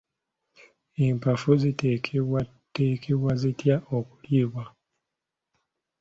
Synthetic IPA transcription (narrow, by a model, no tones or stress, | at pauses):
eːmpafuzita | tekʰeβwazitjaʔoku̥ljiːβwa